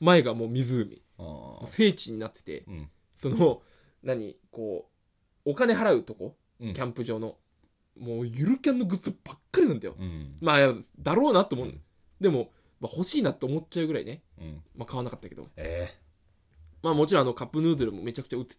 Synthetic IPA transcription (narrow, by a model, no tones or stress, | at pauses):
mae̞ɡamo̞ːmʲizɨːmʲḭ | mose̞ːt͡ɕiɲ̟inat̪ːe̥t̪e̞̰ | so̞no | naɲ̟ḭko̞ː | kane̞ɦaɾaɯ̟t̪o̞ko̞̰ | kʲãmpɯ̟ʑo̞ːno̞ | mo̞ːjɯɾɯ̟kʲãnːo̞ɡɯ̟t͡sɨb̥akːaɾʲinãnd̪ajo̰maːjad̪aɾo̞ːnat̪ːomõn | d̪e̞mo̞ | maho̞ɕiːnat̪ːo̞ːmo̞t͡ɕaɯ̟ɡɯ̟ɾaḭne̞ | makaβanakat̪ːake̞d̪o̰e | maːmo̞t͡ɕiɾõːano̞kapːɯ̟nɯ̟ːd̪oɾɯ̟mo̞me̞t͡ɕakɯ̥t͡ɕaɯ̟t͡s